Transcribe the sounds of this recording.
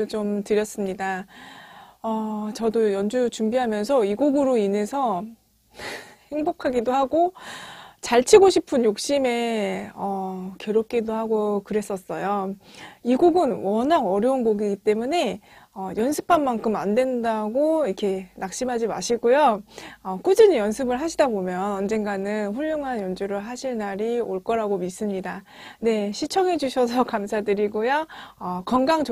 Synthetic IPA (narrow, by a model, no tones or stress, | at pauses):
t͡ɕomtɯɾjʌs͈ɯmɲida | ʌt͡ɕʌdojʌnd͡ʑut͡ɕumbiɦamjʌns̬ʰʌiɡuɡɯɾoine̞sʰʌ | he̞ŋbokʰaɡidohaɡo | t͡ɕaɭt͡ɕʰiɡoɕʰipʰɯnjok̚ɕ͈ime̞ʌkjʌɾop̚k͈edohaɡokɯɾe̞s͈ʌs͈ʌjo | iɡuɡɯnwʌnaɡʌɾjʌunɡoɡiɡit͈e̞mune̞ʌjʌnsʰɯ̥pʰanmaŋkʰɯma̰ndwe̞ndaɡoikʰe̞nak̚ɕ͈imɦad͡ʑima̰ɕʰiɡojoʌk͈ud͡ʑɯnjʌnsʰɯbɯɭɦaɕʰidabomjʌnʌnd͡ʑe̞nɡanɯnɸuʎːjoŋɦanjʌnd͡ʑuɾɯɭɦaɕʰiɭnaɾioɭk͈ʌɾaɡomis͈ɯmɲida | ne̞ɕʰit͡ɕʰʌŋɦe̞d͡ʑuɕʰʌs̬ʰʌkamsʰadɯɾiɡojaʌkʌnɡaŋt͡ɕ